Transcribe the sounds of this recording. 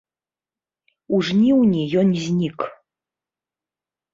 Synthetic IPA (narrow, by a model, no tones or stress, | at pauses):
uʐnʲiwnʲijɔnzʲnʲik